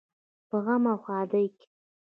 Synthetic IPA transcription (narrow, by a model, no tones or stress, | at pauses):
b̥ʁamaχʷaːdajkʲʼ